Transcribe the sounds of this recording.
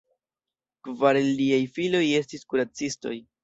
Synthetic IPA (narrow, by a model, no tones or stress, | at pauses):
kvaɾeliajfilo̞je̞stiskuɾat͡sisto̞̰j